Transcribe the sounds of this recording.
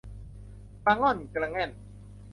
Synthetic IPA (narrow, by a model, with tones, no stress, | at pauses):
pa˧˩ŋɔ˥˩˨nkla˧ŋɛ˥˩n